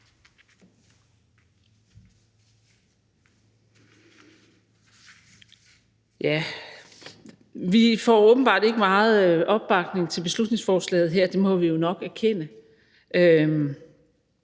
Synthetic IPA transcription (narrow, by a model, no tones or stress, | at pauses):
jæ | ʋifɒ̰ɔːb̥n̩b̥ɑ̰̈ːd̥e̝ɡ̥əmɑ̈ːð̩ˠøʔɒ̽b̥ːɑ̈ɡ̥ne̝ŋt͡sʰe̝lb̥e̝slud̥ne̝ŋsfɒːslɛ̰ːɪð̩ˠɦeɐ̰d̥e̝mɒ̽ʋijo̝nɒ̽ɡ̥æɐkʰen̰ə | ʔøm